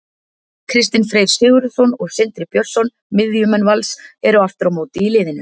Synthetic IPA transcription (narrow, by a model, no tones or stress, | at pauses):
kʰɾɪst̪ɪnfɾeːjɾ̥sɪːɣʏɾsɔnɔɣsɪnt̪ɾɪpjœr̥sɔn | mɪðjʏmɛnvalsɛɾʏaft̪ʏɾawmoːwt̪ɪilɪːðɪnʏ